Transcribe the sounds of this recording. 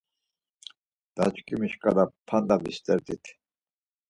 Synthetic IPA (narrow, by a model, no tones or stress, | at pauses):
d̪̥a̰t͡ʃkʼimiʃkʼad̪apʰand̪abist̪ʼɛɾd̪it̪ʰ